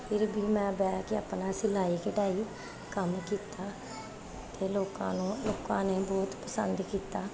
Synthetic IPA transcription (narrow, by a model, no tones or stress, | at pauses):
pʰɪɾbʱiːmɛ̃ːbɛːkɪəpnãːsɪlaːiːkɪʈaːiː | kəmkiːt̪aː | t̪eːloːkã̰ːnũːloːkãːneːbɔːt̪pəsənd̪kiːt̪aː